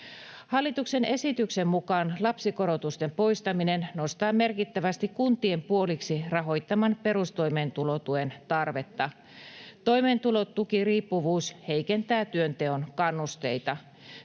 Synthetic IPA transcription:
hɑlːit̪uksene̞sit̪yksemːukɑːnlɑpsiko̞ɾot̪ust̪empo̞ist̪ɑminenno̞st̪ɑːme̞rkit̪ːæʋæst̪ikkunt̪ie̞mpuoliksirɑɦo̞jt̪ːɑmɑnpe̞ɾust̪o̞imeːnt̪ulot̪uent̪ɑrʋe̞t̪ːɑ | t̪o̞imeːnt̪ulot̪t̪ːukiriːpːuʋuːshe̞jkent̪æːt̪yønt̪e̞onkɑnːust̪e̞̰it̪ɑ

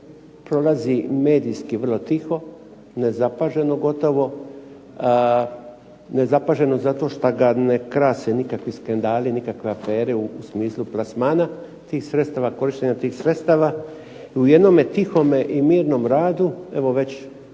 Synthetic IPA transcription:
pɾo̞lazime̞ːd̪ijskiʋər̩lˠot̪ixo̞ | ne̞zapaʒe̞no̞ɡo̞t̪o̞ʋo̞ | ne̞zapaːʒe̞no̞zat̪o̞ːʃt̪aɡanekɾaːsenikakʋiskand̪aːlinikakʋeafe̞ːɾeuːsmiːslˠuplˠasmaːna | t̪iːxsɾet̪st̪aːʋako̞ɾiʃt̪eɲat̪iːxsɾe̞t̪st̪aːʋa | iuje̞d̪nomet̪ixo̞meʔimiːɾno̞mɾaːd̪ue̞ʋo̞ʋe̞t͡ɕ

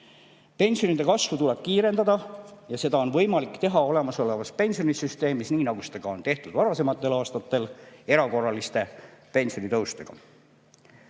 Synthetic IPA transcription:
pe̞nʲsio̞nid̪e̞kɑsvut̪uleb̥̚kiːɾe̞nd̪ɑd̪ɑjɑse̞d̪ɑo̞nvɤ̞jmɑlikːt̪eɦɑo̞le̞mɑso̞le̞vɑspe̞nʲsio̞nisyst̪e̞ːmisniːnɑɡ̥uset̪eɡ̥ɑo̞nt̪e̞ht̪ud̪̥vɑɾɑse̞mɑt̪ˑːe̞lɑːst̪ɑt̪ːˑe̞le̞ɾɑko̞rːɑlist̪e̞pe̞nʲsio̞nit̪ɤwst̪e̞̰ɡ̥ɑ̰

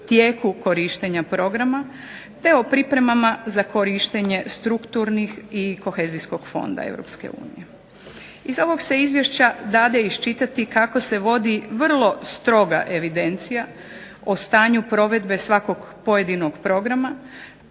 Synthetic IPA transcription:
t̪jeːkuko̞ɾiʃt̪eɲapɾo̞ɡɾama | t̪e̞opɾipɾe̞mamazako̞ɾiʃt̪eɲe̞st̪ɾukt̪uɾnixiko̞xeːzisko̞ɡ̥fo̞̰nd̪a̰e̞̰ʋɾo̰pskḛṵːnḭje | izo̞ʋo̞ɡse̞izʋje̞ʃt͡ɕad̪aːd̪eiʃt͡ʃit̪at̪ikako̞se̞ʋo̞d̪iʋr̩lˠo̞st̪ɾo̞ɡa̰ʔe̞ʋid̪e̞nt̪sija | ost̪aːɲupɾo̞ʋe̞d̪be̞sʋako̞ɡ | po̞je̞d̪ino̞ɡpɾo̞ɡɾama

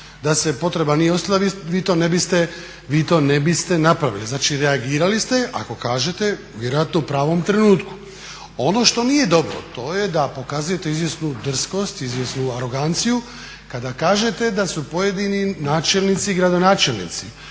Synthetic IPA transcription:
d̪asepo̞t̪ɾe̞banijeost̪alaʋiʋiːt̪o̞ːnebist̪e | ʋiːt̪o̞ːne̞bist̪e̞napɾaʋḭliznaːt͡ʃiɾeaɡiːɾalist̪e̞ʔa̰ko̞kaːʒe̞t̪e̞ | ʋʲjeɾoat̪noupɾaːʋo̞mt̪ɾe̞nuːt̪ku̥ | o̞no̞ʃt̪o̞nije̞d̪o̞bɾo̰t̪o̞ːjed̪apo̞kazuje̞t̪e̞izʋjesnud̪r̩sko̞st̪izʋjesnuaɾo̞ɡant̪siju | kad̪akaːʒe̞t̪e̞d̪asupo̞je̞d̪ininaːt͡ʃe̞lnit̪siɡɾad̪o̞naːt͡ʃe̞lnḭt̪si

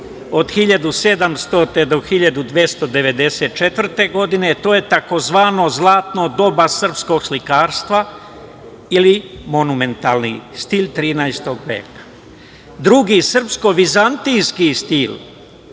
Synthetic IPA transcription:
od̪xiʎad̪use̞d̪amst̪ot̪ed̪o̞xiʎad̪ud̪ʋje̞st̪o̞d̪e̞ʋe̞d̪e̞set̪̚t͡ʃe̞t̪ʋvr̩t̪e̞ɡo̞d̪ine̞t̪o̞ːje̞t̪ako̞zʋaːno̞zlˠaːt̪nod̪o̞basər̩psko̞ɡslikaːɾst̪ʋa | ilimo̞nume̞nt̪aːlnḭst̪ilt̪ɾiːnaest̪oɡʋḛːkḁ | d̪ɾuɡisr̩psko̞ʋizant̪ijskist̪il

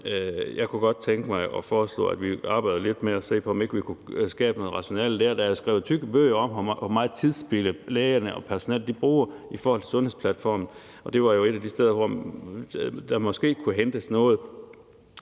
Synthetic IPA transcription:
jɑ̈ɪkʰuɡ̥ɒ̽d̥̚t͡sʰeŋɡ̥əmɑ̈ɪɒ̽fɒːslɔ̰̽ːæd̥ʋiɑ̈ːb̥ɑ̈ɪdð̩ˠle̝d̥meɒse̝̰ːpʰɒ̽ɒ̽me̝ɡ̥əʋikʰusɡ̥ɛ̰ːb̥no̽ːð̩ˠʁɑ̈ɕo̝nɛ̰ləd̥æɐ̰d̥æjsɡ̥ʁa̰ʊyɡ̥əb̥ø̰ɪ̰ɐɒ̽mɒmɑ̈ːt͡sʰiðˠsb̥eləleːɐnəʔɒ̽pʰæɐso̝nɛ̰ld̥ib̥ʁuːɐifɒːhɒ̽lt͡sʰe̝sɔ̽nhe̝̰spʰlæd̥fɒ̰ːmn̩ | ɒ̽d̥e̝ʋɑ̈jo̝e̝ɾ̥æd̥isd̥eð̞̰ˠɐʋɒ̰ | d̥ɑmɒ̽sɡ̥e̝̰ːkʰuɦend̥əsnɔ̽ːð̞̩ˠ

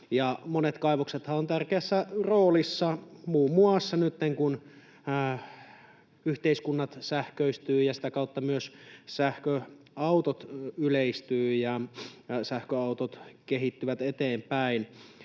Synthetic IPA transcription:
jɑmonet̪kɑiʋokset̪hɑont̪ærkeæsːæroːlisːɑmuːmːuɑsːɑnyt̪ːeŋkun | yht̪eiskunːɑt̪sæhkøist̪yːjɑsi̥t̪ækɑut̪ːɑmyøssæhkøɑut̪ot̪yleist̪yːjɑ | sæhkøɑut̪ot̪keɦit̪ːyʋæt̪et̪eːmpæin

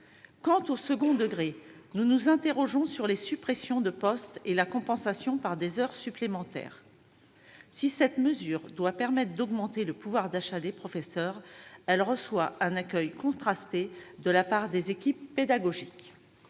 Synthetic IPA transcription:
kɑ̃t̪osəɡɔ̃d̪əɡʁenunuzɛ̃t̪eʁɔʒɔ̃syʁlesypχesjɔ̃d̪əpɔst̪elakɔ̃pɑ̃sasjɔ̃paʁd̪ezœʁsyplemɑ̃t̪ɛ̰ːʁ | sisɛt̪məzyʁd̪wapɛʁmɛt̪χd̪ɔɡmɑ̃t̪eləpuvwaʁd̪aʃad̪epχɔfesœʁɛlʁəswaʔɛ̃nakʲœjkɔ̃t̪χast̪ed̪əlapaʁd̪ezekʲipːed̪aɡɔʒik

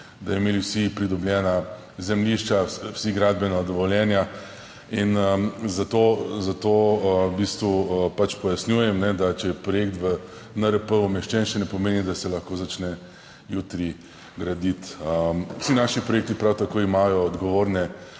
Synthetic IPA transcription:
d̪ajɛmeːliwsipɾid̪ɔbljɛːna | zɛmliʃt͡ʃawsiɡɾad̪bɛnad̪ɔʋɔljɛnja | inzat̪ozat̪oəbist̪ʋupat͡ʃpɔjasnʲjuːjɛmnɛd̪at͡ʃɛjɛpɾɔjekt̪ʋə | nəɾəpəumɛʃt͡ʃɛnʃɛnɛpɔmeːnid̪asɛlɐxkoːzat͡ʃnɛ | juːt̪ɾi | ɡɾad̪it̪əwsinaʃipɾɔjek̚t̪ipɾawt̪akoːimaːjɔːd̪ɡɔʋoːɾnɛ

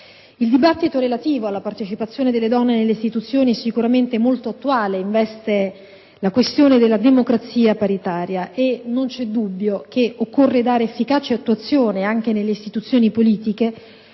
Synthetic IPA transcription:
ild̪ibat̪ːit̪oɾelat̪iːvoalːapart̪et͡ʃipat̪sːjoːned̪elːed̪ɔnːenelːeist̪it̪ut̪sːjoːniɛsikuɾament̪emolt̪oat̪ːuaːleiɱvɛst̪e | lakwest̪joːned̪elːad̪emokɾat̪sːiːapaɾit̪aːɾjaʔenont͡ʃɛd̪ubːjok̟eʔokːorːed̪aːɾeːfːikaːt͡ʃeat̪ːuat̪sːjoːneaŋk̟enelːeist̪it̪ut̪sːjoːnipoliːt̪ike

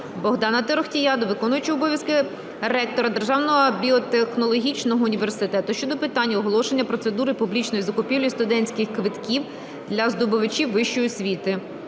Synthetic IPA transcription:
bɔɦd̪ɑnɐt̪eɾɔxtʲijɑd̪ɔʋɪkɔnʊjʊt͡ʃɐɔbɔʋʲjɐskɪ | ɾɛk̚t̪ɔɾɐd̪e̞rʒɑwnɔɦɔbʲiɔt̪exnɔlˠɔɦʲit͡ʃnɔɦɔʊnʲiʋersɪt̪ɛt̪ʊʃt͡ʃɔd̪ɔpɪt̪ɑnʲːɐɔɦɔlˠɔʃe̞nʲːɐpɾɔt̪se̞d̪uɾɪpublʲit͡ʃnɔjizɐkʊpʲilʲɔjist̪ʊd̪ɛnʲsʲkɪxkʋɪt̪kʲiw | d̪lʲɐzd̪ʊbʊʋɪt͡ʃʲiwʋɪʃt͡ʃɔjisʲʋʲit̪ɪ

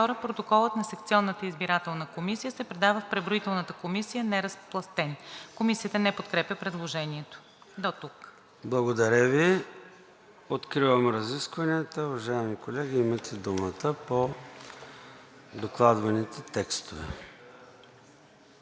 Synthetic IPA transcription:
t̪ɔɾəpɾot̪okɔlˠət̪nɐsɛk̚t̪siɔnːət̪əizbiɾat̪ɛlˠnəkomisijəsɛpɾɛd̪avəfpɾɛvɾoit̪ɛlˠnət̪əkomisijənɛɾɐsplˠɐst̪ɛnkomisijət̪ənɛpot̪kɾɛpjəpɾɛd̪lˠoʒɛniɛt̪o̥ | d̪ot̪uk | blˠɐɡod̪ɐɾʲəvi | ot̪kɾivəmɾɐziskvəniət̪əʊvɐʒaɛmikolɛɡʲiimət̪ʰɛd̪umət̪əpo | d̪oklˠad̪vɐnit̪ɛt̪ɛkst̪ovɛ̰

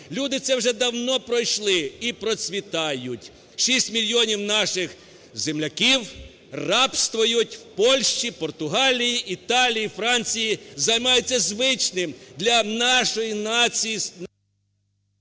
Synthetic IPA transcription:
lʲud̪ɪt̪sɛwʒɛd̪ɐwnɔpɾɔjʃlˠɪipɾɔt͡sʲʋʲit̪ɑjʊtʲ | ʃisʲtʲmʲilʲjiɔnʲiwnɑʃɪx | zemlʲɐkʲiw | rɑpst̪ʋɔjʊtʲwpɔlʲʃt͡ʃipɔrt̪ʊɦɑlʲijiʔit̪ɑlʲijifɾɑnʲt͡sʲijizɐjmɑjʊt͡sʲːɐzʋɪt͡ʃnɪmd̪lʲɐnɑʃɔjinɑi

